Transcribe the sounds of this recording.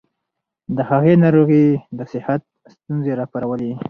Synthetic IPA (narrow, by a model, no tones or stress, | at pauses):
d̪əhaɣenɑɾoɣid̪əsɪhat̪̚ | st̪unzeɾɑpaɾawəle